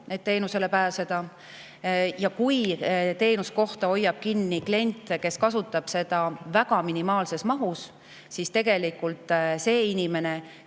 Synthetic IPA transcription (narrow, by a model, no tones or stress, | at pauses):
ned̪̚t̪eːnuse̞le̞pæːse̞d̪̥ɑ | jɑkujt̪e̞ːnusko̞ht̪ɑo̞jːɑb̥̚kinːikle̞nʲt̪ˑke̞skɑsut̪ːˑɑb̥se̞d̪̥ɑvæɡ̥ɑminimɑːlse̞smɑɦus | sist̪e̞ɡ̥e̞likult̪ˑse̞ːinime̞ne̞